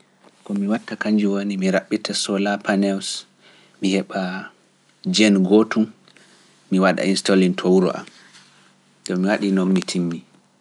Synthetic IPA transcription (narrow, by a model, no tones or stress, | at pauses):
kɔmiwatːakaɲd͡ʒuwonimiɾaɓːitasɔlapanɛws | mihɛɓa | d͡ʒɛnɡotumː | iwaɗa̰instolintʰowuɾɔ̰ʔa̰m | ɗɔmiwaɗinɔnːitʰimːi